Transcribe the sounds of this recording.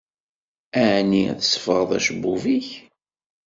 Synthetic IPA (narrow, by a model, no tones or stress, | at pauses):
æʕniθəsˤːə̥fəʁəðˤæ̰ʃəbːuviç